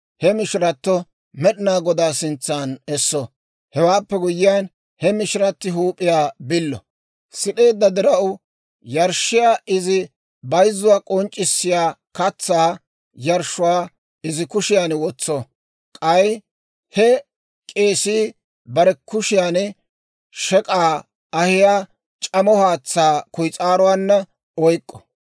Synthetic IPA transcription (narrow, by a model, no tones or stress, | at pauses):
hɛmɪʃɾɐt̪ːɔ | mɛɗɪnaːɡɔd̪aːsɪnt͡sːaːnɛsːɔ | hɛwaːpːɛɡʊjɪjaːn | hɛmɪʃɪɾɐt̪ːɪɦuːpʼːɪjaːbɪlːɔ̰ | sɪɗe̞ːd̪ːɐd̪ɪɾɐʔʊ | jɐɾʃːɪjaːʔɪzɪ | bɐjzːʊwaːkʼɔnt͡ʃʼːɪsːɪjaːkɐt͡sːaː | jɐɾʃʊwaː | ɪzɪkʊʃɪjaːnwɔt͡sːɔ | kʼɐj | hɛ | kʼe̞ːsiː | bɐɾɛkʊʃɪjaːn | ʃɛkʼaː | ɐhɪjaː | t͡ʃʼɐmɔhaːt͡sːaːkʊjt͡sʼaːɾɔwaːnːɐ | ɔjkʼːɔ̥